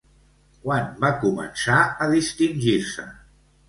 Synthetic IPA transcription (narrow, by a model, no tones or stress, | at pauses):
kwanbakumə̰nsaəðist̪inʲʒiɾsə̰